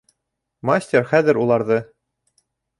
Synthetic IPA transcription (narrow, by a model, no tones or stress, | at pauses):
masʲtʲerχæðɘ̆ɾulˠɑɾðɤ